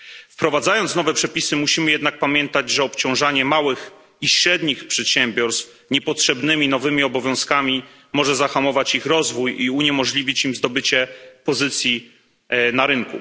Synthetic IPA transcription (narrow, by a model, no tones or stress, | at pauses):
fpɾɔvad̪zajɔnt̪sn̪ɔvɛpʂɛpʲisɘmuɕimɘjɛd̪nak̚pamʲjɛnt̪ad͡ʑʐɛɔpt͡ɕɔ̃w̃ʐaɲɛmawɘx | iɕɾɛd̪ɲixpʂɛt̪ɕɛmbʲjɔɾst̪f | ɲɛpɔtʂɛbnɘmʲinɔvɘmʲiɔbɔvʲjɔ̃w̃skamʲi | mɔʐɛzaxamɔvat͡ɕixɾɔzvujiuɲɛmɔʐlʲivʲit͡ɕimzd̪ɔbɘt͡ɕɛpɔzɘt̪sʲji | naɾɘŋkṵ